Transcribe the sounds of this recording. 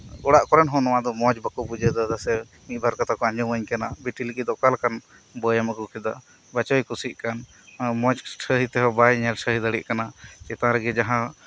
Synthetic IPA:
uɽaʔkɔɾɛnɦɔ̃nɔwad̪ɔmɔd͡ʒbakubud͡ʒəd̪ɔd̪asɛ | miˀbaɾkɔt̪akɔãɲd͡ʒɔəɲkanabiʈilikid̪ɔkalkan | bəjaməɡukʰɛd̪a̰ | bat͡ʃɔjkusiʔ̚kan | mɔ̃d͡ʒsʰəɦit̪ɛɦɔbajɲɛlsəɦid̪əɽiʔkanat͡ʃɛt̪ãɾəɡɛd͡ʒaɦã

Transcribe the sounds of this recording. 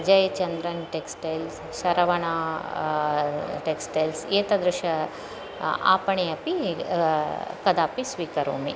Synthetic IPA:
d͡ʒɐjɐt͡ʃɐnd̪ɾɐnʈeksʈejls | ʃɐɾɐʋɐɳaː | ʈeksʈeːlseːt̪ɐd̪ɾʊʃɐ | a̰ːpɐɳ̃eɐpi | kɐd̪aːpisʋiːkɐɾõ̰ːmḛ

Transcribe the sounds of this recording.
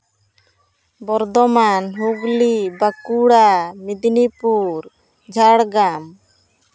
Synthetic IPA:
bɔɾd̪ɔmanɦuɡlibakuɽamid̪nipuɾ | d͡ʒʱaɽɡam

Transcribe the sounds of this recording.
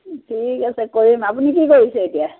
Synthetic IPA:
tʰikasɛkoɹimapunikikoɹisɛetia

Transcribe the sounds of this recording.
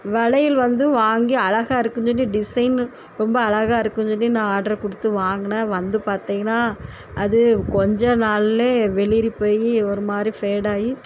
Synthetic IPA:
ʋɛɭɐjɪlʋɐnd̪ɯʋaːŋɡiɐlɐɣaːɪɾɯkːɯnsɔnːiɖɪsɐɪn | ɾɔmbɐːlɐɣaːɪɾɯkːɯɲsɔnːinãːaːɖɐɾkʊɽɯt̪ːɯʋaːŋɡɐnɐʋɐnd̪ɯpaːɾt̪iːŋɡɐnːaː | ʔɐðɯkɔɲd͡ʒɐnaːɭleːʋɛɭɪɾipːoːjiɔɾɯmaːd̪ɾifeːɽaːji

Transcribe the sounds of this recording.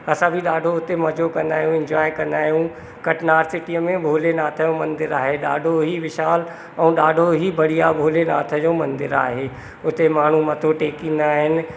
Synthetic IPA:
ɐsãbʱiɗaːɖʱoʊt̪emɐd͡ʑokɐ̃nd̪aːɦijũɪ̃ɲd͡ʑwaːjkɐ̃nd̪aːɦijũ | kɐʈnaːɾsɪʈiəmẽbʱoːlenaːt̪ʰəjõmɐ̃nd̪ɪɾaːɦeɗa̰ːɖʱoɦiʋɪʃaːl | ɛ̃ɗaːɖʱoɦibɐɽ̤ijabʱoːlenaːt̪ʰəd͡ʑoːmɐ̃nd̪ɪɾa̰ːɦeː | ʊt̪emaːɳ̤umɐt̪ʰoʈeːkĩːnd̪aːɦɪnɪ̆

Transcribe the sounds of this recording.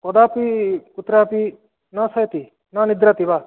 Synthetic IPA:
kɔd̪apikut̪ɾapi | nɐsɐjt̪i | nɐnid̪ɾat̪iba

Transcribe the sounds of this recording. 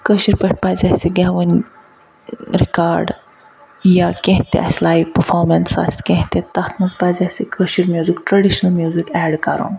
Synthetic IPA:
kəɕiɾpəʈ̚pazʲasiɡɛʋən | ɾikaɾɖ | jakẽɦt̪ḛʔa̰sʲlajʋpəɾfɔɾmensa̰st̪kʲẽɦt̪et̪ːat̪ʰmɐzpad͡zasikʰəɕiɾmjuzikʈɾɐɽiɕnəlmjuzikɛɽkaɾo̰n

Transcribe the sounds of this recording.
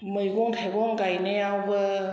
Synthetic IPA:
mɯjɡɔŋtʰajɡɔŋɡajneawbɯ

